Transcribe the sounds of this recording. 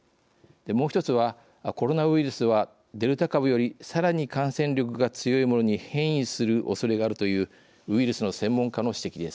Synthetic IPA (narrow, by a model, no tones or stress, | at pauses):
d̪̥e̞mo̞ːçi̥t̪o̞t͡sɨβa | ako̞ɾo̞naɯ̟iɾɯ̟sɨβa | d̪e̞ɾɯ̟t̪akabɯ̟jo̞ɾʲisaɾaɲ̟ikãɰ̃sẽ̞ɲɾʲo̞k̬ɯ̟ɡat͡sɨjo̞imo̞no̞ɲ̟ihẽ̞ɰ̃isɨɾɯ̟ʔo̞so̞ɾe̞ɡaːɾɯ̟t̪o̞jɯ̟ː | ɯ̟iɾɯ̟sɨno̞sẽ̞mːõ̞ŋkano̞ɕi̥t̪e̞kʲid̪e̞sɨ̥